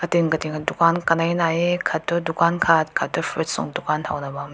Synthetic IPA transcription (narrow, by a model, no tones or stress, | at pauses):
kɐtinkɐtinkʰadukankɐnajnajekʰat̚ːɔdukankʰat̚kʰat̚ːɔfʰɾit̚sɔ̰ŋdukantʰawnɐbam